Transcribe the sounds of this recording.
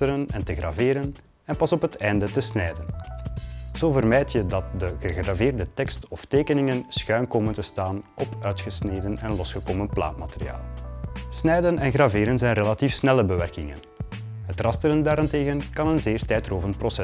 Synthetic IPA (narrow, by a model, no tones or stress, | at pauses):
təɾənɛntəɣra̰veːɾən | ɛnpɑsɔpɦətɛjndətəsnɛjdən | z̥oːvərmɛjtjədɑt̚dəɣəɣraveːrdətɛkstɔfteːkənɪŋənsxœɥnkoːməntəstaːnʔɔpœːɥtxəsneːdənɛnlɔsxəkoːmənpla̰ːtmateɾia̰ːlˠsnɛjdənɛnɣraveːɾənzɛjnrelatiːfsnɛləbəʋɛrkɪŋə̰n | ɦətrɑstəɾəndaːɾɪnteːɣənkɑnənzeːrtɛjtroːvəntprosɛ